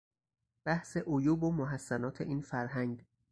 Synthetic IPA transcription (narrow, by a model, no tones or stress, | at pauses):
b̥æhse̞ʔojuːbomoɦæsːænɒːt̪ʰe̞̰ʔiːnfæɾɦæŋɡ